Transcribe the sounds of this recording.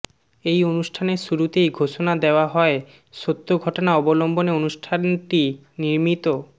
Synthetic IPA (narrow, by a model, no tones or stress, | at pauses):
ejonusʈʰaneɾʃuɾut̪ejɡʱoʃonad̪eoaɦɔe | ʃot̪ːoɡʱɔʈonaɔbolomboneonuʃʈʰanʈi | niɾmit̪o